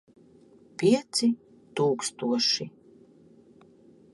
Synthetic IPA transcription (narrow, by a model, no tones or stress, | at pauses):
pʲiɛt̪si | t̪uːkst̪uɔʃi